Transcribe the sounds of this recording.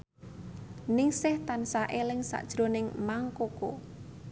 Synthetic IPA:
nɪŋsɪht̪ansaʔelɪŋsa̰ʔd̥ʒ̥ɾo̤nɪŋmaŋkoko̰

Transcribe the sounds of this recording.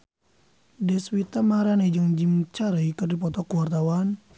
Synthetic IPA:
dɛswit̪amaɾaned͡ʒəŋd͡ʒimt͡ʃaɾaikɨrdipɔt̪ɔkuwart̪awan

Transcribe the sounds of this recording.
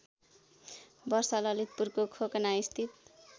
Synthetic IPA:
bʌrsʌlʌlit̪̚purkokʰokʌnaist̪ʰit̪̚

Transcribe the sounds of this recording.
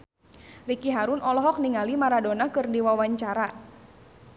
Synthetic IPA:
rikiɦaɾunɔlɔɦɔk̚niŋalimaɾadonakɨrdiwawaɲt͡ʃaɾa

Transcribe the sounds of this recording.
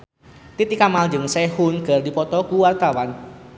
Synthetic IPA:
t̪it̪ikamald͡ʒəŋsɛhunɡ̥ə̤rdipɔt̪ɔkuwart̪awan

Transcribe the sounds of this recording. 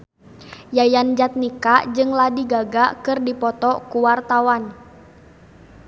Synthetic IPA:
jajand͡ʒat̪̚nikad͡ʒɨŋladiɡaɡakɨrdipɔt̪ɔkuwart̪awan

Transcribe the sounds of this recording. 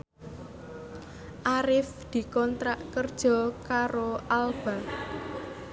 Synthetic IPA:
ʔaɾɪfd̪̥i̤kɔnt̪ɾaʔkərd̥ʒ̥ɔ̤kaɾoʔalb̥a

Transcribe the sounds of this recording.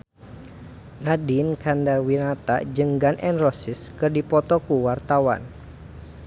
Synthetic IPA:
nadinkandarwinat̪a̰d͡ʒəŋɡanʔɛnrɔsɪskɨrdipɔt̪ɔkuwart̪awa̰n

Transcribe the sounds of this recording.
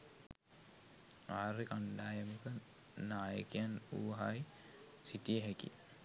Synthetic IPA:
aːɾekaɳɖaːjəmukə | naːjəkijanuːɦaj | sit̪ijeɦɛkḭ

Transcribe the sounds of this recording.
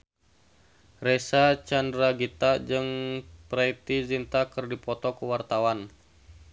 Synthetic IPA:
rɛsat͡ʃandɾaɡit̪ad͡ʒɨŋpɾait̪izint̪akɨrdipɔt̪ɔkuwart̪awan

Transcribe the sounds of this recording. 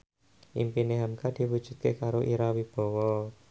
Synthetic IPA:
ʔimpineɦamkad̪̥i̤wud̥ʒ̥ṳt̪̚kekaɾoʔiɾawib̥ɔ̤wɔ

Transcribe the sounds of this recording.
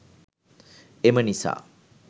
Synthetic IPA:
emənisa̰ː

